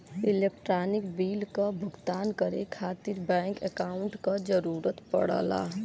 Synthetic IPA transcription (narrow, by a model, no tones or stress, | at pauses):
ɪleːk̚ʈɾaːnɪkbiːlkabʱʊɡt̪aːnkəɾḛkʰaːt̪ɪɾbɛ̃ːŋkɛkaːʊɳʈkad͡ʒəɾuːɾət̪pə̰ɽa̰ːla̰ː